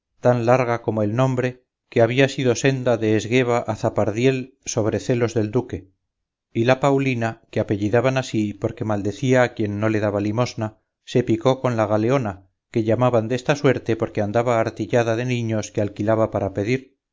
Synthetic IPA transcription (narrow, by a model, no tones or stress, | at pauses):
t̪anlaɾɣako̞moe̞lnõ̞mbɾe̞ | ke̞aβiasiðo̞se̞nd̪aðe̞ːzɣe̞β̞aʔaθapaɾðje̞l | so̞β̞ɾe̞θe̞lo̞zðe̞ld̪uke̞ | ilapawlinakeape̞ʎiðaβanasipo̞ɾke̞mald̪e̞θiaːkje̞nːo̞le̞ðaβalimo̞zna | se̞piko̞ko̞nlaɣale̞o̞na | ke̞ʎamaβand̪e̞st̪aswe̞ɾt̪e̞po̞ɾke̞and̪aβaːɾt̪iʎaðaðe̞nĩɲo̞skealkilaβapaɾape̞ðiɾ